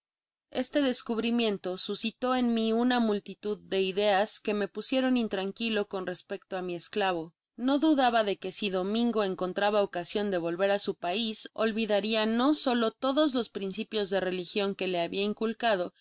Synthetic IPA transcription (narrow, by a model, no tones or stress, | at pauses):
e̞st̪e̞ðe̞skuβɾimjẽ̞nt̪o̞susit̪o̞e̞nmiunamult̪it̪uðːe̞iðe̞aske̞me̞pusje̞ɾo̞nint̪ɾaŋkilo̞ko̞nre̞spe̞k̚t̪o̞amie̞sklaβ̞o̞ | no̞ðuðaβaðe̞ke̞siðo̞mĩŋɡo̞e̞ŋko̞nt̪ɾaβaokasjo̞nd̪e̞β̞o̞lβe̞ɾasupaiso̞̰lβiðaɾiano̞so̞lo̞t̪o̞ðo̞zlo̞spɾinsipjo̞zðe̞re̞lixjo̞ŋke̞le̞aβiaiŋkulkað̞o̞